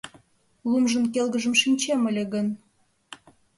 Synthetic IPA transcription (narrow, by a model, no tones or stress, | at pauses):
lˠumʒə̆nkelɣəʒə̆mʃinʲt͡ɕemə̆lʲeɣən